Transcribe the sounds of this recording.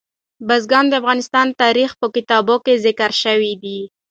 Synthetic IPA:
bazɡɑnd̪əafɣɑnɪst̪ɑnt̪ɑɾixpəkɪt̪ɑbokezɪkaɾʃəwid̪i

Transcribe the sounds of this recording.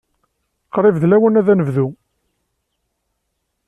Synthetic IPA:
qɾˤɪvðlæwənæðænəvðu

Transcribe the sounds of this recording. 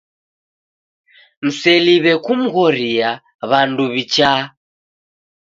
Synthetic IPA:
m̩sɛliβɛkum̩ɣɔɾia | βanduβit͡ʃa

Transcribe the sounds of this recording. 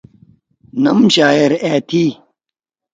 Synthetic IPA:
nɐ̰mɕaːeɾeːt̪ʰi

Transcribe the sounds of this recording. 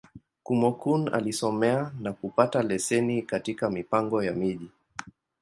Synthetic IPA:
kumɔkuna̰lisɔmɛanakupatalɛsɛnikatikamipaŋɡɔjamiʄi

